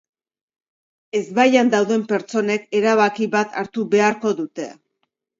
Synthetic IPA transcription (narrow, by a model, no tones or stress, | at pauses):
e̞zβajand̪awðe̞mpe̞ɾt͡so̞ne̞ke̞ɾaβ̞akiβat̪aɾt̪uβe̞aɾko̞ðut̪e̞